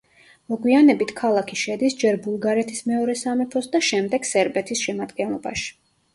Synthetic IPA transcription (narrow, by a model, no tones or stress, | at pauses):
mɔɡwianɛbit̪ʰkʰalˠakʰiʃɛd̪isd͡ʒɛɾbulˠɡaɾɛt̪ʰismɛɔɾɛsamɛpʰɔsd̪aʃɛmd̪ɛɡ̥sɛɾbɛt̪ʰisʃɛmad̪ɡɛnlˠɔba̰ʃi̥